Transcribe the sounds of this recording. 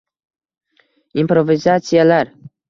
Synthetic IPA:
impɾovizat̪sijalar

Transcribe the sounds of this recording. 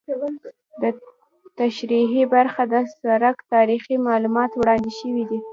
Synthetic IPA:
d̪ə | t̪aʃɾiɦibaɾxad̪əsaɾakt̪ɑɾiximɑlumɑt̪wɽɑnd̪ɪʃəwid̪i

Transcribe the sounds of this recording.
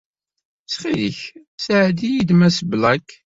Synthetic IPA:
sχilə̰ç | sʕd̪ijid̪mæsblækː

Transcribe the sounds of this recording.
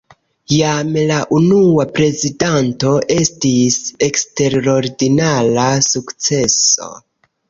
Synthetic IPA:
jamlaʔunuapɾe̞zidanto̞ʔe̞stise̞kste̞ɾo̞ɾdinalasukt͡se̞so̞̰

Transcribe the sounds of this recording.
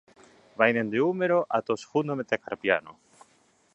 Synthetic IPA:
βajnẽnd̪eumeɾoʔat̪osxund̪omet̪ekaɾpjano̰

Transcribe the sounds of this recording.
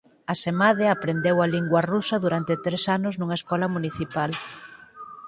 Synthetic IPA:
asemaðeapɾend̪ewaliŋɡwɐrusɐðuɾant̪et̪ɾesanʊznuŋɐeskɔlɐmuniθipal

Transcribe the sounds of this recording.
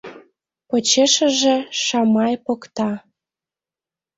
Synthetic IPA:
pot͡ɕeʃə̆ʒĕʃɑmɑjpokt̪ɑ

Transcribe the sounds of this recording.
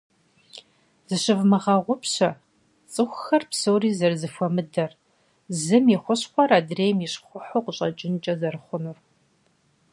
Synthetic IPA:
z̥ɨɕɪvmɨʁɐʁʷʊpɕɐ | t͡sʼɨxʷxɐrpsowriːzɐrzɨfʷɔmɨdɐr | zɨmiχʷʊɕχʷɔɾaːdreːjmjiɕχʷʊħoqʷʊɕʼɐt͡ʃʼɪnt͡ʃʼɐzɐrɨχʷʊnur

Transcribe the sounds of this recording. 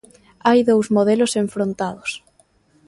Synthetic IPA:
ajðowzmoð̞eloseɱfɾont̪að̞os

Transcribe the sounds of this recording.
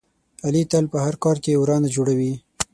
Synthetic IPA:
alit̪alpəhaɾkɑɾkewɾɑnad͡ʒoɽawi

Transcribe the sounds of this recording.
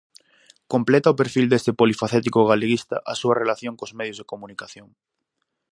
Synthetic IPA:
komplet̪aopeɾfild̪est̪epolifaθɛt̪ikoɣaleɣist̪a̰ʔasuarelaθjoŋkozmeð̞jozð̞ekomũnikaθjoŋ

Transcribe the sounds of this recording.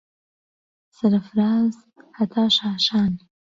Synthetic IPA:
saɾafɾɑːz | hat̪ʰɑːʃɑːʃɑːn

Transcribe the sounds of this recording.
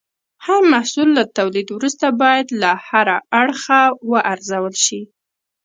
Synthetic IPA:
haɾmahsulːat̪awlid̪wɾust̪abɑjad̪lahaɾaaɽxawəʔaɾzawəlʃi

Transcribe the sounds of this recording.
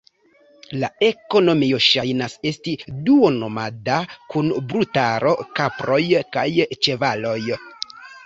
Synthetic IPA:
lae̞ko̞no̞mio̞ʃajnase̞stiduo̞no̞madakunbɾutaɾo̞kapɾo̞jkajt͡ʃe̞valo̞j

